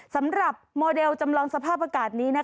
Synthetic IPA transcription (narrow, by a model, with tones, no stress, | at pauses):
sa˩˦mɾa˨˩p̚moː˧de˧wt͡ɕa˧mlɔː˧ŋsa˧pʰaː˥˩p̚ʔaː˧kaː˨˩t̪̚niː˦˥na˦˥